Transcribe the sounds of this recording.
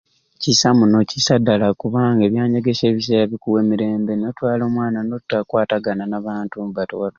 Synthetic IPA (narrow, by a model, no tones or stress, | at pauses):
cisamuno̞cisadːalakuβaːŋɡe̞βjaːɲeɡe̞se̞ːβis̬e̞ːɾaβikuweːmiɾe̞ːmbenotwaːlo̞ːmwaːnanotːakwaːtaɡananaβaːntumbatoa